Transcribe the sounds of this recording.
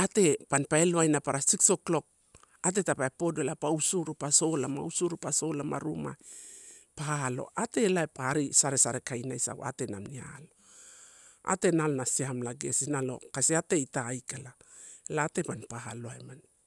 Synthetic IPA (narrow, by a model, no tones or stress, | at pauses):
ate̞panpaeloajnapaɾasikso̞klo̞k̚ | at̬e̞tapaepo̞doelapausuɾupaso̞lama̰wsuɾupaso̞lamaɾuma̰ | pahalo̞̰ʔate̞laepaaɾisaɾe̞saɾe̞kajnajsa̰ɡo̰a̰te̞na̰mnia̰lo̞ | a̰te̞nalonasiamlaɡe̞sinalo̞̰kasiate̞itaːjkalalaːte̞panpahaloajman